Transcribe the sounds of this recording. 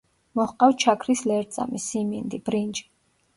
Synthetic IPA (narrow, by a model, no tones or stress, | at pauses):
mɔχqʼawt͡ʃʰakʰɾislɛɾt̪sʼa̰misimind̪ibɾind͡ʒʼi̥